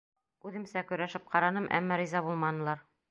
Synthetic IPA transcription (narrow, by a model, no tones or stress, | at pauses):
ʉðɘ̆msækɵ̆ɾæʃɘp̚qɑɾɑnɤmʔæ̰mːɑɾizɑbulˠmɑnɤ̆lˠɑɾ